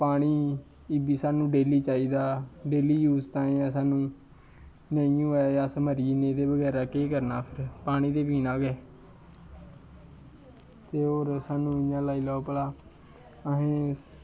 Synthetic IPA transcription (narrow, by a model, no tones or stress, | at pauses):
paːɽ̃iː | ɪbiːsaːnũːɖeːliːt͡ʃaːiːd̪aːɖeːliːjuːzt̪ãːẽːãːsaːnũː | neːiũːɛːjaːsəməɾiːnẽːd̪eːbəɡɛːɾaːkeːkəɾnaːpʰɪɾpaːɽ̃iːd̪eːpiːnãːɡɛː | t̪eːoːɾsaːnũːɪɲãːlaːiːlɔːpəlaː | əɦẽː